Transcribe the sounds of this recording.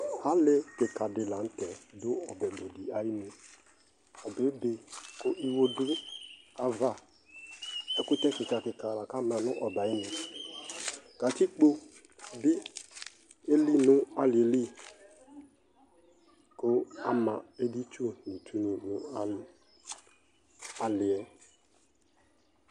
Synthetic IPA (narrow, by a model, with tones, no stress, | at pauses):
a˦lɪ˦kɪ˨ka˨dɪ˨la˨n̩˦tɛ˨dʊ˦ɔ˨bɛ˨bo˨di˨a˨˦ji˦nu˨ | a˨be˨˦be˨kʊ˦ʔi˦wo˦dʊ˦ka˦va˦ | ɛ˦kʊ˦tɛ˦kɪ˨ka˨kɪ˨ka˨la˨ka˦mã˨nʊ˦ʔɔ˨ba˨ɪ˦nɪ˨ | ka˨ti˦k͡po˦ | bɪ˦ | e˦li˦nʊ˦a˦lɪ˨e˨li˦ | kʊ˦a˦mã˨e˦di˦t͡ʃo˦˨ni˨tʰu˦ni˨nʊ˦a˦˨ | a˨lɪ˨ɛ˦